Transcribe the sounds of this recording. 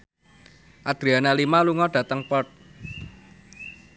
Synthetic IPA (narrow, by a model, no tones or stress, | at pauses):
ʔad̪̥ɾianalimaluŋɔɖ̥ä̤t̪əŋpɔt̪̚